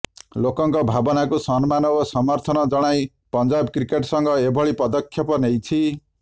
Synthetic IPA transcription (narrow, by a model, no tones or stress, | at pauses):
lokʌŋkʌbʱabʌnakosʌnmanʌbosʌmʌrt̪ʰʌnʌd͡zʌɽ̃aj | pʌnd͡zabkrikeʈsʌŋɡʌebʱʌɭipʌd̪ʌkʰːjʌpʌnejt͡sʰi